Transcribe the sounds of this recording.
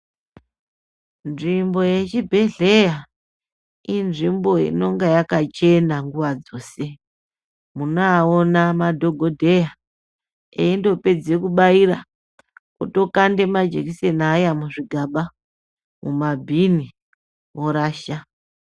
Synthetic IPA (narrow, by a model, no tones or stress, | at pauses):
nʐimbo̞je̞t͡ʃibʱe̞ɮe̞ja | inʐimbo̞ḭno̞ŋɡejakat͡ʃe̞naŋɡuʋad͡zo̞ːse̞ | munoaonamadʱo̞ɡʱo̞dʱe̞ja | eindo̞pe̞d͡ze̞kuɓaiɾa | kuto̞kande̞mad͡ʒe̞̰kise̞naːjamuʐiɡʱaɓa | mṵmabʱini | woɾaːʃa